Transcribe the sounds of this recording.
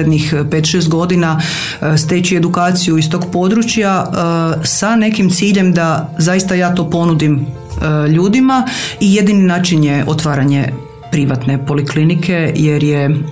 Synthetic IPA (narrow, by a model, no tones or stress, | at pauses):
ed̪nixpet̪ʃest̪ɡo̞d̪ina | st̪eːt͡ɕie̞d̪ukaːt̪sijuist̪o̞ɡpo̞d̪ɾut͡ʃja | sane̞kimt̪siːʎe̞md̪azaist̪ajaːt̪o̞ːpo̞nud̪im | ʎuːd̪imaije̞d̪ininaːt͡ʃinjeʔot̪ʋaːɾaɲe̞̰ | pɾiʋat̪ne̞po̞liklinikʰe̞jeɾje